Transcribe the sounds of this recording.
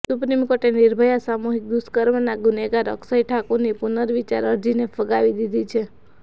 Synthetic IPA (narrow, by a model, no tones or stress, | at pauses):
supnimkoʈeniɾbʱəjasamuɦik̚d̪uskəɾmnaɡuneɡaɾə̰ksajʈʰakunipunəɾʋit͡ʃa̰ɾəɾd͡ʒinefʰəɡaʋid̪id̪ʱit͡ʃʰe